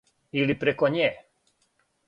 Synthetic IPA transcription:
ilipɾekoɲeː

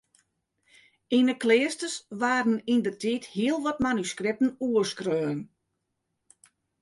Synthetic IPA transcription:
inəklɪːstəsʋaːɾənindərtʰithiəlˠʋɔtmanyskrɪp̚tən̩uərskrøːn

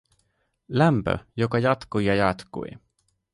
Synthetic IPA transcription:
læmpø̰jokɑjɑt̪kujɑjɑt̪kṵi

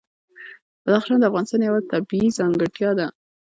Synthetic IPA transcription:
b̥ad̪ɑxʃɑnd̪əafɣɑnɪst̪ɑnjawat̪abiizɑŋɡaʈjɑd̪a

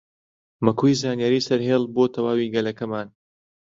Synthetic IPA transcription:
mɐkʰujzaːnijaɾiːsɐɾɦeːlˠboːt̪ʰɐwaːwiːɡɐlɐkɐmaːn

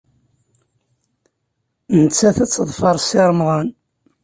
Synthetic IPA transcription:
nət͡sːæθæt͡sːðˤfɑɾˤsiɾˤmðˤən

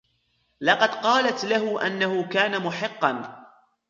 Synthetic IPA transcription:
lɑqɑd̪qɑːlat̪laɦʊʔanːahʊkaːnamʊħɪqːɑn

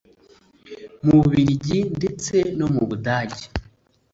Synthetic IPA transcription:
muβuβiɾiɟinde̞t͡se̞no̞muβudaːɟi̥

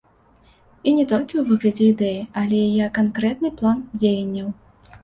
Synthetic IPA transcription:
inʲɛt̪ɔlʲkʲiwvɨɣlʲɐd͡zʲɛid̪ɛjiɐlʲɛjajɛkːankɾɛt̪nɨplˠand͡zʲejɐnʲːɐw

